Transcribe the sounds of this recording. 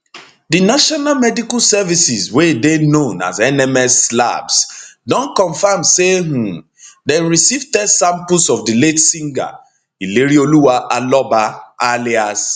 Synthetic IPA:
dinaʃɔnalmɛdikasɛvisizwedenõna̰zɛnɛmɛsla̰bsdɔ̃nkɔ̃ɱfamseɦũ | deɹisivtɛdsãmpʊsɔvdiletsĩŋɡa̰ | ileɾioluwaʔalɔbaʔalias

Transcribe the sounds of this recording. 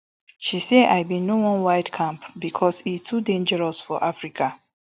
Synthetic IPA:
ʃisea̰ɪbĩnowɔ̃nwaɪdkʰãmpbikʰɔsitʰudẽnd͡ʒɛɹɔsfɔ̰ʔafɹikʰa

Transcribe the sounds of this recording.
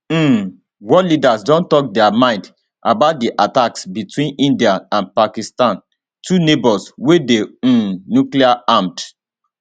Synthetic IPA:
wɔlidasdɔ̃ntɔk̚dɛamãɪ̃nd | ʔabaʊt̚diʔataksbitwĩnĩndiaãnpakistãn | tʰunebɔlswedeũnjukliaãmt

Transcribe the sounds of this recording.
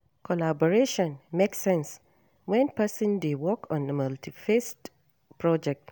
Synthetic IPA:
kʰɔlabɔɹeʃɔ̃nmeksɛ̃ns | wɛ̃npɛsə̃ndewɔkʰɔ̃nəmaltifest | pɹɔd͡ʒɛk̚t

